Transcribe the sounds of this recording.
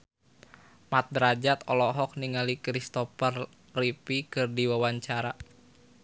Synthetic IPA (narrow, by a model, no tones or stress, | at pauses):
mat̪̚dɾad͡ʒat̪ɔlɔɦɔk̚niŋalikɾist̪ɔfər | ripikɨrdiwawaɲt͡ʃaɾa